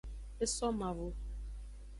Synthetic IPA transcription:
e˦sɔ˦ma˨vʊ˨

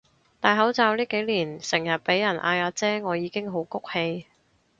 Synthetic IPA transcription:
t̪aː˨jɦɐ˨˥wt͡saː˨˧wliː˥ke˨˥jliː˨˩nsɪ˨˩ŋjɐ˨t̚pe˨˥jːɐ˨˩nʔa̰ː˧jaː˨˧t͡sɛː˥ŋɔː˨˧jiː˨˧kɪ˥ŋɦo˨˥wkʊ˥k̚he˧j

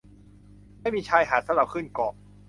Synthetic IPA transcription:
ma˥˩jmiː˧t͡ɕʰaː˧jɦaː˩t̪sa˧˦˥ɾa˨˧˩p̚kʰɯ˥˩nkɔː˨˩

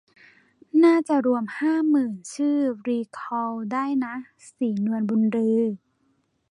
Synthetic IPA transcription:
naː˥˩t͡ɕa˨˩ɾu˧əmhaː˥˩mɯː˨˩nt͡ɕʰɯː˥˩ɾiː˧kʰɔː˧wdaː˥˩jna˦˥ | siː˩˦nu˧ənbu˧nɾɯː˧

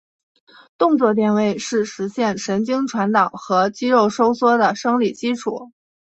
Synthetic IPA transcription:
t̪ʊ˥˧ŋt͡swɔ˥˧t̪jɛ˥˧nwe˥˩ɪʂɻ̩˥˩ʂɻ̩˧˥ɕjɛ˥˩nʂə˧˥nt͡ɕi˥ŋʈ͡ʂʰwa˧˥nt̪ɑ˨˩ʊxɤ˧˥t͡ɕi˥ɻo˥˩ʊʂo˥ʊswɔ˥d̪ə˨˩ʂɤ˥ŋli˨˩t͡ɕi˥ʈ͡ʂʰu˨˩˦

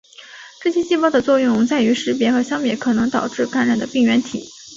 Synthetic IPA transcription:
ʈ͡ʂɤ˥˩ɕjɛ˥ɕi˥˧pɑ˥˩ʊd̪ə˩t͡swɔ˥˧jʊ˥˧ŋt͡sa˥˩ɪy˧˥ʂɻ̩˧˥p̬jɛ˧˥xɤ˧˥ɕjɑ˥ŋpjɛ˧˥kʰɤ˨˩nɤ˧˥ŋt̪ɑ˨˩ʊʈ͡ʂɻ̩˥˩ka˧˥nɻa˨˩nd̪ə˦pi˥˩ŋɥɛ˧˥nt̪ʰḭ˨˩˦

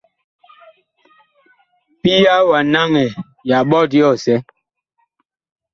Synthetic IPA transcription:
pi˦ja˦wa˨na˦ŋɛ˨ | ja˨ɓɔ˦di˦ɔ˦˨sɛ˦

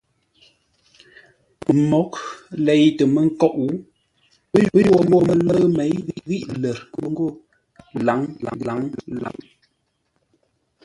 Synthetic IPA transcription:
mɔ˨˦k̚le˨˦jtə˨mə˦ŋ̩˦kɔ˦ʔu˨˦ | bə˦jə˦jo˦mbo˦˨mə˨lə˦me˨˦jɣi˦ʔɣi˦ʔlə˨ɾkə˦ŋ˦ɡo˦˨ | la˨˦ŋla̰˨˦la˨˦ŋla̰˨˦ŋ

